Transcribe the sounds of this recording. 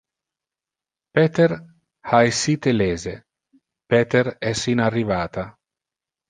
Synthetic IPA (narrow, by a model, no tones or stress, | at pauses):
pɛːt̪eɾ | haesːit̪eleːze | pɛːt̪eɾɛsinarːivaːt̪a